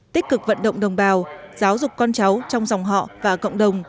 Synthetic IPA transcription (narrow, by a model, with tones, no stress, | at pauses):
t̪ï˦˥k̟̚kɨ˨˩k̚və̰˧˨nɗə̰˧˨ŋ͡mɗə˨˩wŋ͡mɓaː˨˩wz̥aː˨˦wzʊ˨˩k͡p̚ːɔ˧nt͡ɕa˨˦wt͡ɕɔ˧wŋ͡mza˨˩wŋ͡mɦɔ̰˧˨vaː˨˩kə̰˧˨wŋ͡mɗə˨˩wŋ͡m